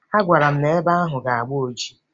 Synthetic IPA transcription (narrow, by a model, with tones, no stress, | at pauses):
a˦ɡʷa˨ɾa˨m̩˨me˨˦e˦ba˦ɣa˦ɦʊ˨ɡa˨a˨ɡ͡bo˦o˨d͡ʒi̥˦